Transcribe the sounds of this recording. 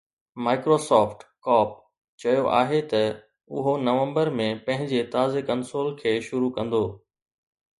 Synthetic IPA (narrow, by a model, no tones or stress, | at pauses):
maːɪkɾoːsɔːfʈkɔːp̚ | t͡ɕɐjoʔa̰ːɦet̪ɐ | ʊɦonɐʋə̃mbəɾmẽpɐ̃ɦɪ̃ɲd͡ʑet̪aːzekɐ̃nsoːlkʰeːʃʊɾukɐ̃nd̪oː